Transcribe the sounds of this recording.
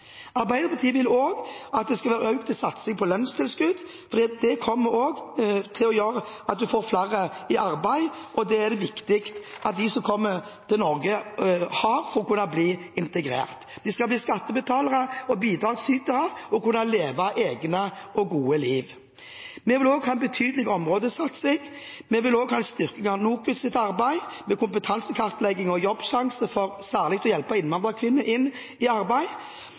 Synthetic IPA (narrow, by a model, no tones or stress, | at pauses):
ɑɾbæɪd̪əpʰɑt̪ʰiːəʋɪloːɡɑt̪̚d̪ɛskɑlʋæːɾœʉk̚t̪ʰɪlsɑt̪sɪŋpʰɔlœnst̪ɪlskʉd̪ | fɔɾd̪ɛːɑt̪̚d̪ɛkʰɔmːəɾoːɡt̪ʰɪlɔjøːɾəɑt̪̚d̪ʉfoːɾflæːɾəɪɑɾbæɪʔɔd̪ɛæʁd̪ɛʋɪkt̪ɪkt̪ʔɑt̪̚d̪ɪsɔmkʰɔmːət̪ʰɪlnɔɾɡəhɑɾfɔɾɔkʰʉnːɑbliːɪnt̪əɡɾḛːʁt̪d̪ɪskɑlbliːskɑt̪ːəbət̪ʰɑːləʁəɔbiːd̪ɾɑːɡsyːk̪əʁəɔkʉnːɑleːʋɑʔeːɡnəɔɡuːəliːʋ | mɛʋɪloːɡhɑːɛnbət̪ʰyːd̪lɪɡəɔmʁoːd̪əsɑt̪sɛɡ | mɛʋɪloːɡhɑːɛnst̪ʏʁkɪŋɑnuːkʉt̪sɪt̪ɑʁbæɪmɛkʊmpət̪ʰɑnsəkʰɑʁt̪lɛɡːɪŋɔjɔbːʃɑŋsəfɔʁsæːʁlɪɡ̚t̪ʰɔjɛlpɑɔɪnʋɑnd̪ʁɑkʰʋɪnːəʔɪnː | ɪɑɾbæɪ